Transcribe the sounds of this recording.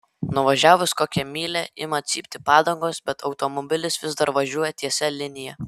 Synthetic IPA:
nʊʋɐʒʲæːʋʊskoːkʲɛmʲiːlʲɛʔɪmɐt̪ʲsʲḭːpʲt̪ʲɪpɑːd̪ɐŋɡoːsbʲɛt̪ʰɒʊt̪omɔbʲɪlʲɪsʋʲɪzd̪ɐɾʋɐʒʲuɔjɛt̪ʲiɛsʲɛlʲɪnʲɪjɛ

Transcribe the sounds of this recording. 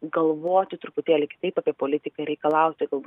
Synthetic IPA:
ɡɐlˠʋoːt̪ʲɪt̪ɾʊpʊt̪ʲeːlʲɪkʲɪ̥t̪ɐɪpaːpʲiɛpoːlʲɪt̪ʲɪkɐɾʲɛɪkɐlˠɐʊt̪ʲɪɡɐlˠbu

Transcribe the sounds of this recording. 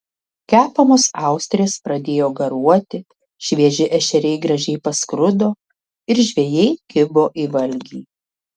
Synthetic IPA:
kʲæːpɐmoːsɑˑʊsʲt̪ʲɾʲeːspɾɐd̪ʲeːjoːɡɐɾuɔt̪ʲɪ | ʃʲʋʲiɛʒʲɪʔɛʃʲɛɾʲɛɪɡɾɐʒʲɛɪpɐskɾʊd̪oː | ɪɾʒʲʋʲɛjɛɪɡʲɪboːʔiːʋɐlʲɡʲiː

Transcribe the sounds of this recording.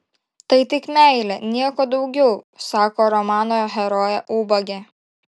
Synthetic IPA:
t̪ɐɪt̪ʲɪkmʲæˑɪlʲɛnʲiɛkoːd̪ɒʊɡʲɛʊsɑːkoːɾɔmɑːnoːjoːɦʲɛɾoːjɛʔuːbɐɡʲɛ

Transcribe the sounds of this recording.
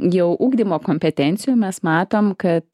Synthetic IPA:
jɛʊʔuːɡd̪ʲiːmoːkoːmʲpʲɛt̪ʲɛnʲt̪sʲɪjuːmʲɛsmɑːt̪oːmkɐt̪

